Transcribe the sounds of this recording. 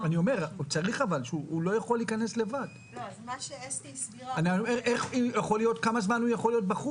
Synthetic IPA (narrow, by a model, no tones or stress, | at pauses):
anio̞me̞ʁut͡saʁiχavalʃeuulo̞jaχo̞lːiːkane̞sle̞vad | aniomeʁeχujaχo̞lijo̞t̪kamazmanujaχo̞lːijo̞t̚baχu